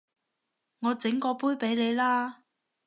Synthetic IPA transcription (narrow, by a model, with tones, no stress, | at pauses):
ŋɔː˨˧t͡sɪ˨˥ŋkɔː˧puː˥jpe˨˥jle˨˧jlaː˥